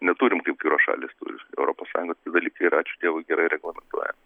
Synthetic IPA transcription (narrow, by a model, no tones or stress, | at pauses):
nʲɛt̪uːɾʲɪmkɐɪp̚ɡɐɪɾoːsʃɑ̰ːlʲiːst̪ṵɾʲɪɛʊɾoːpoːsɑːjʊŋɡoːt̪ʲiɛd̪ɐlʲiːkɐɪɾɑːt͡ʃʲʊt̪ʲiɛʋoɪɡʲɛɾɐɪɾʲɛɡlˠɐmʲɛnt̪uɔjɛ̰